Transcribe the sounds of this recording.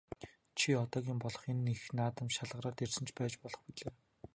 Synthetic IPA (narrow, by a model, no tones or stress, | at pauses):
t͡ɕʰiɔt̪ɔːɣʲiːmpɔɮɞ̆χenːixnaːt̪ə̆mʃaɮʁə̆ɾaːrt̪ersɘ̆nt͡ɕʰpæːt͡ɕpɔɮɞ̆χpiɮeː